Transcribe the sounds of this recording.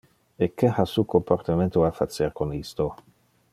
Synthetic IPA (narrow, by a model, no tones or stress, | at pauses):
ekːehasukompart̪imẽnt̪oafat̪seɾkonist̪o